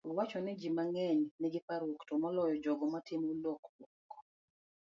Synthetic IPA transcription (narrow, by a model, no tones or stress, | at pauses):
wat͡ʃɔnɛd͡ʒimaŋɛɲnɛɡɪpaɾoktomɔlɔjɔd͡ʒɔɡɔmatɪmoloklɔkː